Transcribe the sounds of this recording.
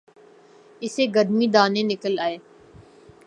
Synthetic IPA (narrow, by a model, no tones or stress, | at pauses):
ɪseːɡəd̪miːd̪aːnẽːnɪkəlaːeː